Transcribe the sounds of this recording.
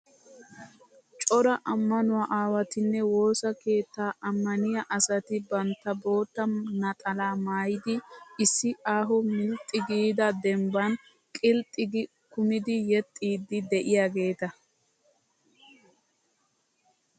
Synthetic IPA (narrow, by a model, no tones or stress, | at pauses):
t͡ʃʼɔɾɐʔɐmːɐnʊwaʔaːwɐt̪ɪnːɛwo̞ːsɐke̞ːt̪ːaːʔɐmːɐnɪjɐʔɐsɐt̪ɪbɐnt̪ːɐbo̞ːt̪ːɐnɐt̪ʼɐlaːmaːjɪd̪ɪɪsːɪaːɦɔmɪlt̪ʼːɪɡiːd̪ɐd̪ɛmbɐn | kʼɪlt̪ʼːɪɡɪ | kʊmɪd̪ɪjɛt̪ʼːiːd̪ːɪd̪ɛʔɪjaːɡe̞ːt̪ɐ